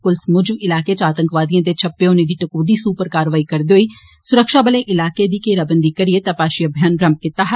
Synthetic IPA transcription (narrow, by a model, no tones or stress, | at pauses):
kʊlsmʊd͡ʒʋɪlaːkeːt͡ʃaːt̪ə̃ŋkʋaːd̪ijãːt̪et͡ʃʰəpːeonẽd̪iːʈəkoːd̪iːsuːpəɾkaːɾʋaːikəɾd̪eɦoiː | sʊɾəkʃaːbəleːʔɪlaːkeːd̪iːkeːɾaːbənd̪iːkəɾɪeːt̪apaːʃiəbʱjaːnbɾəmp̚kɪt̪aːɦ